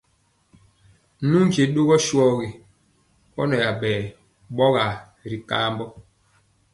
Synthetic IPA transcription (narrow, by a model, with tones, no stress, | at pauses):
nu˦n˦d͡ʒe˨ɗo˦ɣɔ˦ʃwɔ˦ɣe˨ | kɔ˦nɔ˨ja˨ɓɛː˨ | ɓɔ˦ɣa˨ | ɾi˨ka˦mbɔ˦